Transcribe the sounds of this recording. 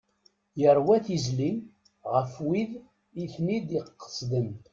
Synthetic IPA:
jəɾˤwæθizli | ʁəfwið | iθnid̪iqːə̥sd̪əm

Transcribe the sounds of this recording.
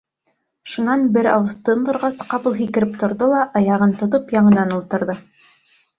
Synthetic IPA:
ʃunɑnbɘɾɑ̰wɤθt̪ɤnd̪ŏɾʁɑsqɑpɤlˠɦikɘ̆ɾɘp̚t̪ŏɾðolˠɑʔɑjɑʁɤnt̪ŏt̪ɤpjɑɴɤ̆nɑnulˠt̪ɤ̆ɾðɤ

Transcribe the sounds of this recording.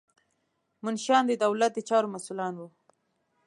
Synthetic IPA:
mʊnʃɑnd̪əd̪awlat̪̚d̪ət͡ʃɑɾomasulɑnwu

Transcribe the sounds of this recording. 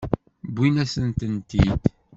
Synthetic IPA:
bʷːinæsənt̪ənt̪id̪

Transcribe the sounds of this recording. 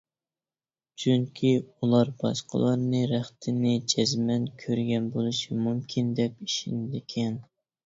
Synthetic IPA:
t͡ʃʰyŋkʲʰiulˠɑɾb̥ɑ̰ʃqə̰lˠɑɾnɨɾæχt̪ʰɪnɪd͡ʒɛzmɛnkʲʰøɾɡʲɛnbolˠɨʃimumkʲʰind̪ɛp̚iʃinɪd̪ɪkʲʰɛn

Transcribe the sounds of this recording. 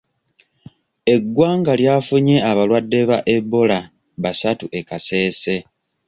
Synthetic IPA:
e̞ɡwaːŋɡaljaːfuɲe̞aβalwadːe̞βaʔe̞βːo̞la | βasatuʔe̞kase̞ːse̞

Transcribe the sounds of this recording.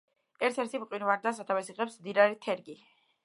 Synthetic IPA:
ɛɾt̪ʰɛɾt̪ʰimqʼwinvaɾd̪as̬at̪ʰavɛsiʁɛpsmd̪iɾaɾit̪ʰɛɾɡi

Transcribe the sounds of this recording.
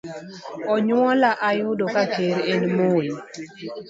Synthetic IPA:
ɔɲwɔlaʔajʊdokakeɾenmoj

